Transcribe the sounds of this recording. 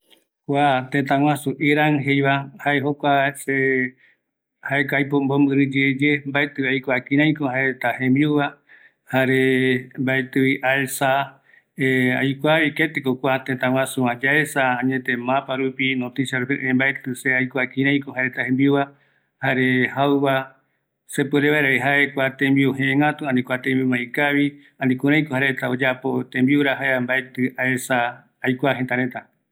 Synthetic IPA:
kʷat̪et̪ãw̃ãsuʔiɾaŋɦejβahaeɦokʷase | haekajpombombɨɾɨd͡ʒed͡ʒembaet̪ɨajkʷakĩɾ̃ãj̃kohaeɾet̪ahẽmbiuβa | haɾembaet̪ɨiʔalsa | eajkʷaβiket̪ekokʷat̪ẽt̪ãw̃ʷãsuãd͡ʒaesaãɲẽt̪ẽ̞mãpaɾupinot̪isjaɾupeʔẽmbaet̪ɨseajkʷakĩɾẽj̃kohaɾet̪ahembiuβa | haɾe̞hawβa | sepɨɾeβaeɾaeɦaekʷat̪ẽmbiuɦẽẽŋat̪uãnĩkʷat̪ẽmbimãĩkaβi | ãnĩkũɾ̃ãj̃kohaɾet̪aod͡ʒapo̞t̪ẽmbiuɾaɦaeambaet̪ɨaesaː | jkʷaɦent̪aɾe̞t̪a

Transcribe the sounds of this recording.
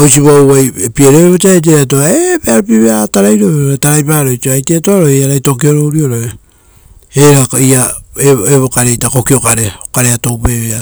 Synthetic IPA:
ojsiβowβajepieɾeβot͡ʃiaajt̬eɾat̬oaepeaɾopiβeataɾajɾoβeɾtaɾajpaɾojt͡ʃioajtetoaɾoaɾajto̞k̬io̞ɾoɾioɾo | eɾaiaeeβokaɾe̞jtako̞kio̞kaɾeokaɾe̞ato̞wpeβea

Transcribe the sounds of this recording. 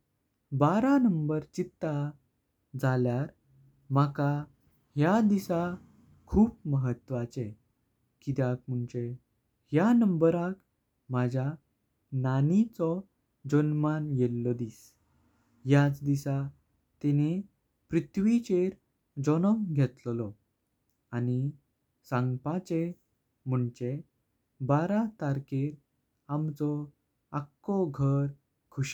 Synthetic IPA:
baɾanəmbəɾt͡ɕit̪ːa | d͡zaljaɾ | maka | ɦjad̪isa | kʰuːpməɦət̪ʋat͡sẽ | kid̪jak̚m̤uɳt͡ɕe | hjanəmbəɾak | mad͡ʑʱja | nanit͡sɔ | d͡ʑənmanjelːɔd̪iːs | jat͡sd̪isa | t̪ɛne | pɾit̪ʰʋit͡ɕeɾ | d͡zɔnɔmɡʱet̪llɔ | ani | sãŋɡpat͡ɕe | m̤əɳt͡ɕe | baɾat̪aɾkeɾ | amt͡sɔ | akːɔɡʱəɾ | kʰuɕ

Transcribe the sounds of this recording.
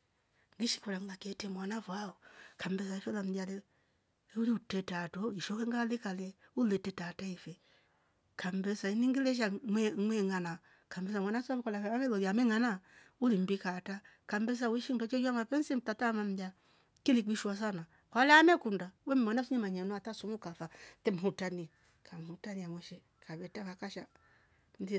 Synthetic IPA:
ŋɡiʃi̥kɔlaŋlakɛtɛmwanafwaɔkambɛs̬aiʃɔlam̩dalɛ | uliutɛtatɔiʃɔkɛŋɡalikalɛulɛtɛtataifɛ | kambɛsainiŋɡilɛʃ̬aŋwɛŋwɛŋana | kambɛs̬amwanasaβkɔlaaɛlɔjamɛŋanaulim̩bikata | kambɛs̬awiʃidɔt͡ʃejamapɛnsim̩tatamam̩ja | kilik͡piʃuas̬ana | kɔlɛamɛkundawɛmmanasuɲemaɲenuatasumukafatɛmutani | kʰamhutaniamoʃe | kaβɛtakakaʃa | ndi

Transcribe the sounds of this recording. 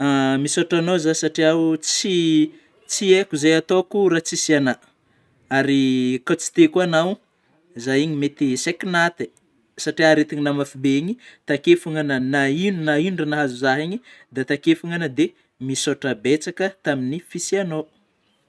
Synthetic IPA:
amisoʈ͡ʂanozasaʈ͡ʂiaut͡si | t͡siekuzejat̪okuɾat͡sisiana | aɾikat͡si̥t̪ekuanaw | zajiɲimet̪isekinat̪e | saʈ͡ʂiaɾet̪iɲinamafibeiɲit̪akefuŋananainunainuɳɖ͡ʐanaɦazuzaɦiɲid̪at̪akefuŋanəd̪e | misoʈ͡ʂəbet͡sakət̪aminifisiano

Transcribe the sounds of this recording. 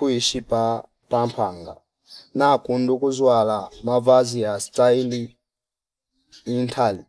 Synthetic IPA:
uiʃipa | pampʰaːŋɡa | nakundukuzwalamavaziastaili | intʰali

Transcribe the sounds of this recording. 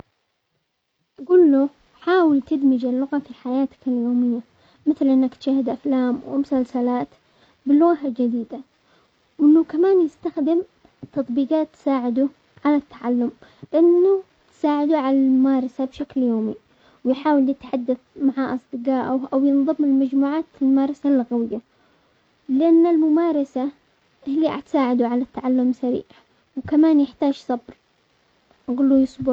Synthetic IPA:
ʔɡuːlːu | ħaːwɪlt̪ɪd̪mɪd͡ʒalːʊɣafiħajaːt̪ḁkaljoːmɪjːa | mɪθlʔɪnːakt̪ʃahːɪd̪ʔaflaːmwmʊsalsalaːt̪ | bɪlːʊɣaald͡ʒad̪iːd̪a | wɪnːʊkamaːnjɪst̪axd̪ɪm | t̪ɑt̪ˤbiːqaːt̪ːsaːʕɪd̪u | ʕalat̪ːaʕalːʊmbɪʔɪnːʊ | t̪saːʕɪd̪uʕalalmʊmɑːɾˤɑsabʃakljoːmi | wjħaːwɪljɪt̪ħad̪ːaθmaʕaʔɑsˤd̪ɨqɑːʔʊʔawjɪnðˤɨmːɪlmad͡ʒmuːʕaːt̪ɪlmʊmɑːɾˤɑsalːɣawɪjːa | lɪʔanːɪlmʊmaːɾˤɑsa | ʔhɪlːia̰t̪saːʕɪd̪uʕalat̪ːaʕalːʊmsaɾḭːʕ | wkamaːnjɪħt̪aːʒsˤɑbɾ | ɣʊlːujʊsˤbʊ

